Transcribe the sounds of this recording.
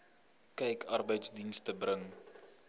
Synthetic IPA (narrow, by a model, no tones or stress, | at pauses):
kɛjkʰɐrbəjtsdinstəbrəŋ